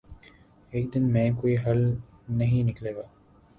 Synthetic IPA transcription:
ek̚d̪inmeːkuiɦɐlneɦiːnikleʋaː

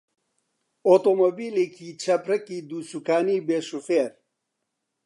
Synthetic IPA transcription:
ot̪omobiːleːkʰiːt͡ʃʰɐpɾɐkiːd̪uːsukaːniːbeːʃufeːɾ

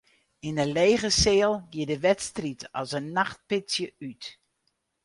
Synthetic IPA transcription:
ɪnəleːɣəseːlˠɡjiədəʋɛtstritɔsənːaxt̚pɪsjəyt

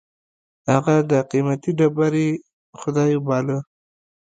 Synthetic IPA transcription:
haɣad̪əqimat̪iɖabaɾe | xʊd̪ɑjobɑlə

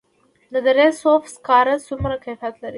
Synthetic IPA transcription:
d̪əd̪əɾesofskɑɾasumɾakajfiat̪laɾi

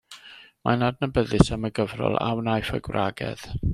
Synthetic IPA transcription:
manadnəbəðɨsaməɡəvrɔ̰lˠa̰wnajfə̰ɡwrʔaɡɛ̰ð̥

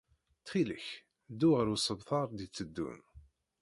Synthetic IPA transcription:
t̪χiləç | d̪ːuʁəɾusəbθɑɾˤd̪it͡sːəd̪ːṵn

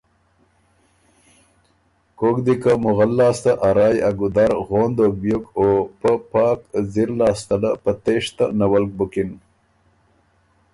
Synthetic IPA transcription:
kokd̪ikamʊɣalːɑːst̪aʔaɾɑːjaɡud̪aɾɣoːnd̪ok̚bjukopəpɑːkziɾlɑːst̪alapət̪eʂt̪anawalk̚bukin

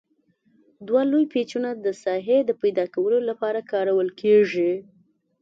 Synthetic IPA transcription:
d̪walojpet͡ʃunad̪əsɑɦed̪əpajd̪ɑkawəlolapɑɾakɑɾawəlkʰeʐi

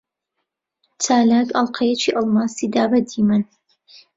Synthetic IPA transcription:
t͡sʰaːlaːɡɐlˠqʰɐjɛt͡ʃʰiʔɑlˠmasid̪aːbɐd̪iːmɨn

